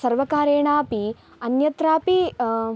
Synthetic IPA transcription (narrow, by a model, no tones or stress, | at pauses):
sɐɾʋɐkaːɾeːɳaːpi | ɐnjɐt̪ɾaːpi